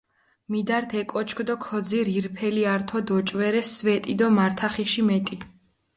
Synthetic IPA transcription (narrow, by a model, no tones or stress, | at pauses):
mid̪aɾt̪ʰɛkʼɔt͡ʃʰkʰd̪ɔkʰɔd̪ziɾiɾpʰɛliaɾt̪ʰɔd̪ɔt͡ʃʼvɛɾɛsvɛt̪ʼid̪ɔmaɾt̪ʰaχiʃimɛt̪ʼi